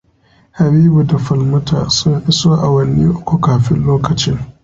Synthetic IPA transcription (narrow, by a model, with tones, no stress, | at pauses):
ha˨biː˦bu˨da˨fɐ˨lmʊ˦tʰa̰˨sʊ˦ŋʔɪ˦soː˦ʔa˨wɐ˦nːiː˦ʔʊ˦kʷu˨kaː˨ɸɪ˦nloː˦kɐ˨t͡ʃɪ˦ŋ